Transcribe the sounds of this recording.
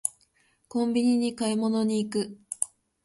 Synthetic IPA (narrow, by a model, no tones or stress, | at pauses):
kõ̞mbʲiɲ̟iɲ̟ikaimo̞no̞ɲ̟iːkɯ̟